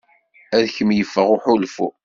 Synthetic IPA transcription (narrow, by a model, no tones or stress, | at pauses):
æðçəmjəfːəʁʊħʊlfṵ